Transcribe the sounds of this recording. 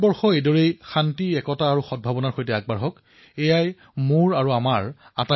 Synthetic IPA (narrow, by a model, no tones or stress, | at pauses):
bɔɹxɔejdɔɹejxantiɛkɔtaːɹuxɔd̚bʱabɔnaɹxojtɛaɡ̚baɹɦɔk | ejaj | moɹaɹuamaɹata